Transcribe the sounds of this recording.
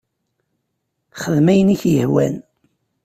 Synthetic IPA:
χəðmæjəniçjəhwæ̰n

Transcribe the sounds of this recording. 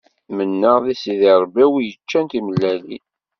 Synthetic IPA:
mənːəʁðisiðɪɾˤbæwijət͡ʃːænt̪iməlːæli

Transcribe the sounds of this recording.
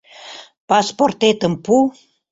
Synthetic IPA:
pɑsport̪et̪əmpu

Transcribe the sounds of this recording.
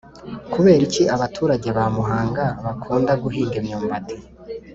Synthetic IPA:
kuβe̞ːɾiciʔaβatʰuːɾaɟeβamuɦaːŋɡaβakʰuːndaɡuɦiːndemɲuːmbatʰe

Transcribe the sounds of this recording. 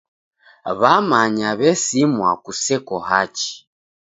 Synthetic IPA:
βamaɲaβɛsimwakusɛkɔhat͡ʃi̥

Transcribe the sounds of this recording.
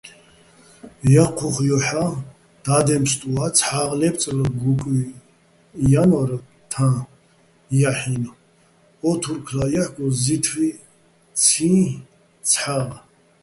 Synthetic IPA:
jaqʰuχjɔħa | d̪̥ad̪ɛmst̪ʼuat͡sʰħaʁlɛpt͡sʼləɡukʼi | janɔɾ | t̪ʰã | jaħin | ɔt̪ʰuɾkʰlajaħɡɔzit̪ʰvi | t͡sʰĩ | t͡sʰħaʁ

